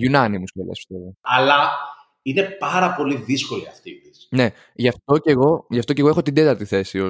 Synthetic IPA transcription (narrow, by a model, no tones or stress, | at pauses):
ʝunɐnimuskolḛsst̪eoɐ̰lɐ | ine̞pɐɾɐpo̞liðisko̞liɐft̪it̪isne̞ | ʝɐft̪o̞ce̞ɣo̞ʝɐft̪oce̞ɣoexot̪ind̪e̞t̪ɐɾt̪iθe̞sio̞